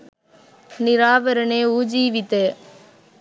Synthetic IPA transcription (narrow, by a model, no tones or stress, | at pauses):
nɪɾaːʋɐɾɐneːuːd͡ʒiːʋɪt̪ːe